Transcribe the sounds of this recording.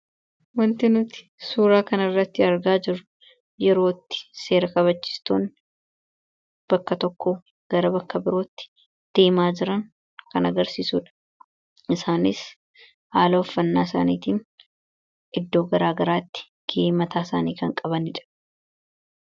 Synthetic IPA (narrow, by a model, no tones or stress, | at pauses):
wɐnt̪ɪnʊt̪ɪ̥suːɾaːkɐnɪrːɐt̪ːɪɐɾɡaːd͡ʒɪɾːʊ | jɛɾo̞ːt̪ːɪ̥se̞ːɾɐkɐβɐt͡ʃːɪ̥st̪oːn | b̥ɐkːɐt̪ɔkːoː | ɡ̥ɐɾɐbɐkːɐbɪɾo̞ːt̪ːɪ̥ | d̪̥eːmaːd͡ʒɪɾɐŋ | kɐnɐɡɐɾsiːsuːᶑɐ̥ | ɪsaːnɪs | haːlɐɔfːɐnːaːɪsa̰ːniːt̪iːn | ʔɪd̪ːo̞ːɡɐɾaːɡɐɾaːt̪ːɪ̥ | ɡ̥eːmɐt̪aːsa̰ːniːkɐŋkʼɐbɐnɪᶑɐ̥